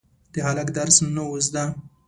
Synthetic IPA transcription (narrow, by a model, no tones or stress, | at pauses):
d̪̥əhalakd̪aɾsnowozd̪a